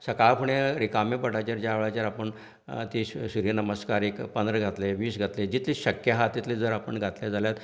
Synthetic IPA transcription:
səkaɭpʰuɳeɾikamepəʈat͡ɕaɾd͡ʑjaːʋɭat͡ɕaɾapəɳ | t̪isuɾjənəməskaɾekpənd̪ɾəɡʱat̪leʋiːsɡʱat̪led͡ʑit̪liɕəkjaɦat̪it̪led͡zəɾapəɳɡʱat̪ljad͡zaljat̪

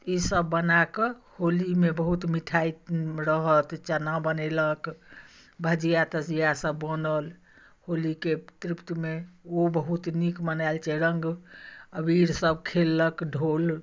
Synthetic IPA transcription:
isəbːənakeholimebəɦut̪miʈʰajɾəɦət̪t͡ʃənabənelək | bʱəd͡ʒijat̪əsijasəbːənəl | holiket̪ɾipt̪meobəɦut̪nikmənajlt͡ʃʰɛɾəŋɡəbiɾsəb̚kʰelːəkɖʱol

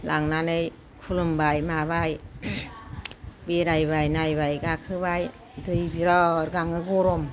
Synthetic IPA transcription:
lʔaŋnanɯj | kʰulɯmbajmabaj | beɾajbajnajbajɡakʰɯbaj | dɯjbiɾɔɾɡaŋɯɡoɾom

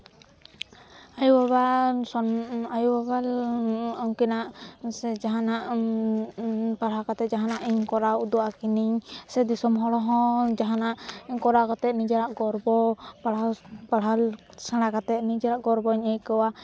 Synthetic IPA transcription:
ajuwaβasɔnajuwabalawkɛnaʔsɛd͡ʒaɦanaʔ | paɽɦakat̪ɛd͡ʒaɦanaʔiɲkɔɾawud̪ɔakiniɲsɛd̪isɔmɦɔɽɔɦɔ̃d͡ʒaɦanaʔiɲkɔɾakat̪ɛnid͡ʒaɾaʔɡɔɾbɔpaɽapaɽɦal | saɽ̃akat̪ɛʔ̪nid͡ʒaɾaʔɡɔɾbɔɲejkəwa

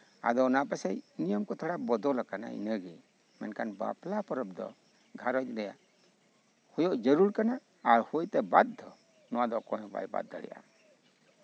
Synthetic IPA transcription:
a̰d̪ɔnapɛsɛjnijəmkɔt̪ʰaɽabɔd̪ɔlakana̰ḭnəɡi | mɛnkanba̰plapɔɾɔb̚d̪ɔ̰ | ɡʱaɾɔjd̪ɾɛja̰ʔ | hɔjɔʔd͡ʒəɾuɾkanaː | ɾhujt̪ɛbad̪̚ːɔ | nɔwad̪ɔkɔ̃jɔba̰jba̰d̪ːa̰ɽɛ̰ja̰

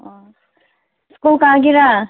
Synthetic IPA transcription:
skulkaːɡiɾa

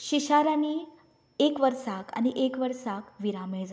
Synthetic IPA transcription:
ɕiɕaɾaniː | ekʋəɾsaka̰ñiʔekʋəɾsakʋiɾamed͡z

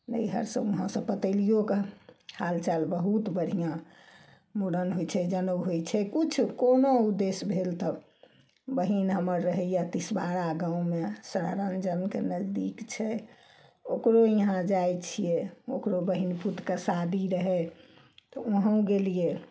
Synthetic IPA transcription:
nə̰iɦə̰ɾsə̃ũɦãsə̃pət̪əɪlijokehalt͡ʃalbəɦut̪bəɽ̤ʱijã | moɽənɦojt͡ʃʰɛd͡ʒənəbɦojt͡ʃʰɛkut͡ʃʰkonoud̪esbʱelt̪ə | bəɦinɦəməɾːəɦɛijat̪isbaɾaɡãũmesəɾa̰ɾənd͡ʒənkenəzd̪ikt͡ʃʰɛ | okɾoiɦãd͡ʒajt͡ʃʰijɛokɾobəɦinput̪kəsad̪iɾəɦɛ | t̪ɔoɦə̃ũɡelije

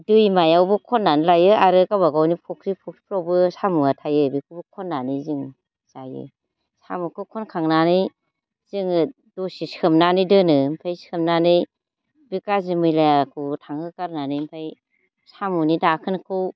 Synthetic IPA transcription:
dɯjmajawbɯkʰɔnːanɯlajɯaɾɯkabaɡawnipʰɔkʰɾipʰuk̚i̥pʰɾawbɯsamuatʰajɯbikʰubɯkʰɔnːanɯjzɯŋ | zajɯ̰ | sa̰mukʰɯkʰɔnkʰaŋnanɯj | z̥ɯŋɯ | dɔsisʰɯmnanɯjdɯnɯm̩pʰajskʰɯmnanɯj | bikazimɯjlaakʰɯtʰaŋɯkaɾnanɯjmpʰaj | samunidakʰɯnkʰɯw

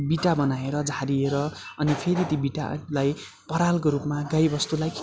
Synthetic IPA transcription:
biʈabʌnaeɾʌd͡zʱaɾieɾʌʌnipʰeɾit̪ibiʈa̰laj | pʌɾalkoɾupmaɡajbʌst̪ulajk

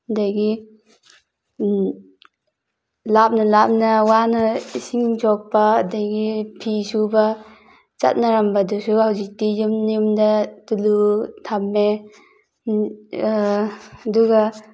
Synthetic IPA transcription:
adajɡi | lap̚nalap̚nawanaisiŋd͡ʒɔk̚paːdajɡipʰisuba | t͡ʃa̰t̚naɾambadusuhawzik̚tijumnimdatulutʰamːe | duɡa

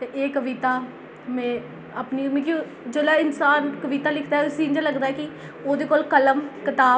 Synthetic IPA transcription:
t̪eːʔeːkəʋit̪aː | mɛ̃ː | əpniːmẽki | d͡ʒeːlaːɪnsaːnkəʋit̪aːlɪkʰd̪aːɛʊsiːnd͡ʒaləɡd̪aːɛːkɪ | oːd̪eːkoːlkələmkɪt̪aː

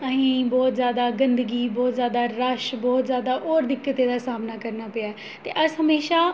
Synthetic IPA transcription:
əɦĩːbɔːt̪zjaːd̪aːɡənd̪əɡiːbɔːt̪zjaːd̪aːɾəʃbɔːt̪zjaːd̪aːʔɔːɾd̪ɪkːət̪eːd̪aːsaːmnaːkəɾnaːpəaːɛː | t̪ḛːʔəsɦəmeːʃaː

